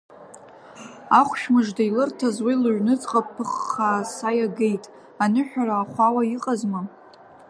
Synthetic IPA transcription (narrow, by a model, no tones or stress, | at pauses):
aχʷʃᶣmɨʐdailɨrtʰazwilɨʕnɨt͡sʼqʼapʰːɨχaːsajaɡe̞jtʼ | anɨħᶣaraːχʷawaiqʼazmɨ